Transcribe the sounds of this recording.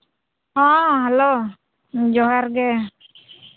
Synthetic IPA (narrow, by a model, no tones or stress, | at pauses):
hɔ̃ɦɛlo | d͡ʒɔɦaɾɡɛ